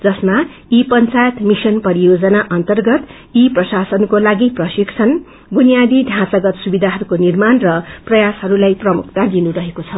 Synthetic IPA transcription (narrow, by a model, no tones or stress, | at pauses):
d͡zʌsma | ipʌnt͡sajʌt̪misʌnpʌɾijod͡zʌnaʔʌnt̪ʌrɡʌt̪ | iprʌsasʌnkolaɡiprʌsiksʰʌn | bunijad̪iɖʱãt͡sʌɡʌt̪subid̪ʱaɦʌɾukonirmanrʌprʌjashʌɾulajprʌmuk̚ʰt̪ad̪inuɾʌɦekot͡sʰʌ